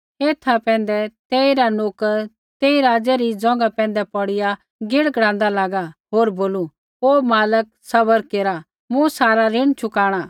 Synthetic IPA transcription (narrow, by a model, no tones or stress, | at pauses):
eːt̪ʰapɛ̃ːn̆d̪ɛt̪eːiɾanoːk | t̪eːiɾaːd͡ʒɛɾid͡zɔ̃ːŋɡapɛ̃ːnd̪ɛpɐɽɪja | ɡɪɽɡɽ̃ãːnd̪alaːɡaɦoːɾboːlu | oːmaːlək̚sɐbəɾkeːɾa | mũsaːɾaɾɪɽ̃t͡ʃʰʊkaːɽ̃a